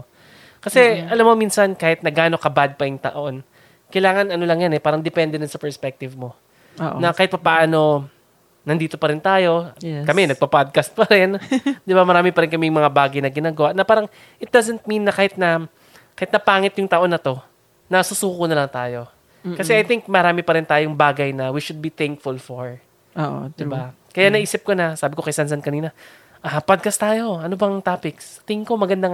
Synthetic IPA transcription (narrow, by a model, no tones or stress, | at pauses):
kɐsɛʔɐlamːomiːnsɐnkaːhɪt̪nɐɡaːno̞kɐbad̪̚pɐjʊŋt̪ɐ̰ʔo̞n | kɐjlaːŋɐnɐno̞lɐŋjanɛpaːɾɐŋd̪ɛpɛnd̪ɛnɐnsɐpɛɹspɛk̚t̪ɪvmo̞ | ʔnɐkaːhɪt̪̚pɐpaʔano̞ | nɐnd̪iːt̪opɐɾɪnt̪aːjo̞kɐmɛnɐɡ̚pɐpad̪̚kast̪̚pɐɾɪnd̪ɪbamɐɾaːmɪpɐɾɪnkɐmɛjŋmɐŋabaːɡɐjnɐɡɪnaːɡɐwaʔnɐpaːɾɐŋ | ʔɪt̪̚d̪azɛnt̪̚mĩnːɐkaːhɪt̪̚nɐ | kaːhɪt̪nɐpaːŋɪt̪jʊŋt̪ɐʔo̞nːɐt̪o̞ | nɐsusuːkonɐlɐŋt̪aːjo̞ | kɐsɛʔɐjt̪ɪŋk̚mɐɾaːmɪpɐɾɪnt̪aːjoŋbaːɡɐjnɐwiʃʊd̪̚biθɛŋk̚fʊlfoɹ | ʔoːʔd̪ɪba | kɐjanɐʔiːsɪp̚konɐsaːbɪko̞kɐjsansɐnkɐniːnɐ | ʔapad̪̚kɐst̪aːjo̞ɐnobɐŋt̪apɪkst̪ɪŋko̞mɐɡɐnd̪a